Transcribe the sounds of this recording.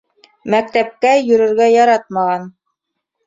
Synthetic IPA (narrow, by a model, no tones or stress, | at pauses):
mæk̚t̪æp̚kæjɵ̆ɾɘ̆ɾɡæjɑɾɑt̪̚mɑʁɑn